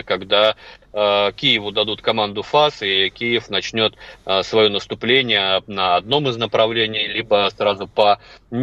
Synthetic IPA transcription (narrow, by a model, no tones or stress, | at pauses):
kɐɡd̪a | kʲijɪvʊd̪ɐd̪ut̪kɐmand̪ʊfasɪkʲijɪfnɐt͡ɕnʲo̞t̪svɐjonəst̪ʊplʲenʲɪjənəɐd̪no̞mɨznəpɾɐvlʲenʲɪjlʲibəsrazʊpənʲ